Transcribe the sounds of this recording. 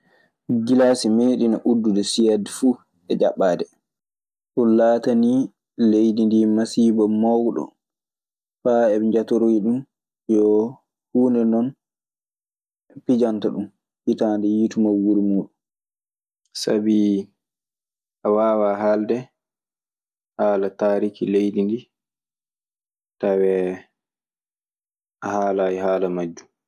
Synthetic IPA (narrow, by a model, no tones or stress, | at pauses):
ɡilasimeːɗinaʔudːudɛsijadɛfu | ɛd͡ʒaɓːaːdɛ | ɗunlaːtani | lejdindimasibɔmawɗɔ̰ | faɛd͡ʒatɔɾojiɗum | jɔ | huːnɛnɔn | pid͡ʒantaɗum | hitaːndɛjitumawːuɾimuːɗu | sabi | ʔawaːwaɦaldɛ | haːlataːɾikilejdindi | tawɛ | ʔahaːlaːjiɦaːlamad͡ʒːu